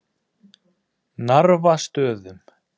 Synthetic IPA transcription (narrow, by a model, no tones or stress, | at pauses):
naɾvast̪œːðʏm